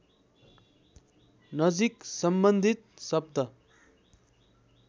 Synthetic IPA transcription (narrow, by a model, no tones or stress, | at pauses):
nʌd͡ziksʌmbʌnd̪ʱit̪̚sʌb̚t̪ʌ